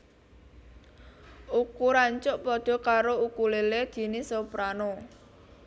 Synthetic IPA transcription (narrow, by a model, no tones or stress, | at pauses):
ukuɾaɲt͡ʃʊʔpɔd̪̥ɔ̤kaɾoukuleled̪̥i̤nisopɾano